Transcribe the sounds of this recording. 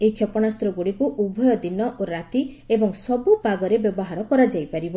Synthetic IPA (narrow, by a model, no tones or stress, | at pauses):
eikʰjɔpɔɽ̃ast̪ɾɔɡuɽikuʔubʱɔjɔd̪inɔʔoɾat̪iebɔŋsɔbupaɡɔɾebjɔbɔɦaɾɔkɔɾad͡ʒajpaɾibɔ